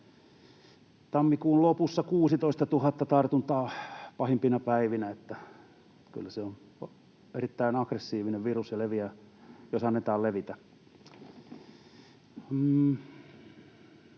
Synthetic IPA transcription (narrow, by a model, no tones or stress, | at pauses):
t̪ɑmːikuːllopusːɑkuːsit̪oist̪ɑt̪uhɑt̪ːɑt̪ɑrt̪unt̪ɑːpɑhimpinɑpæiʋinæet̪ːæ | ky̰lːæseon | erit̪ːæinɑkresːiːʋineʋʋirusjɑleʋiæ | josɑnːet̪ɑːlleʋit̪æ